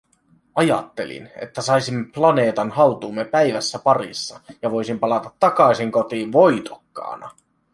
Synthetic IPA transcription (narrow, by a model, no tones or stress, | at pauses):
ɑjɑ̰t̪ːe̞̰lḭnḛt̪ːæsɑjsimːeplɑne̞ːt̪ɑnhɑlt̪uːmːe̞pæjʋæsːæpɑrḭsːɑjɑʋo̞jsimpɑlɑt̪ɑt̪ːɑkɑisiŋko̞t̪iːʋʋo̞jt̪okːɑ̰ːnɑ̰